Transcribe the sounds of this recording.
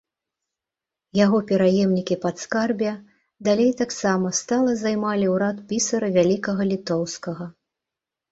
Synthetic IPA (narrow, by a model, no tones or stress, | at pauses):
jaɣɔpʲɛɾajɛmnʲikʲipat̪skarbʲjɐ | d̪alʲejt̪aksamɐst̪alˠɐzajmalʲiwɾat̪pʲisɐɾɐvʲalʲikɐɣɐlʲit̪ɔwskɐɣɐ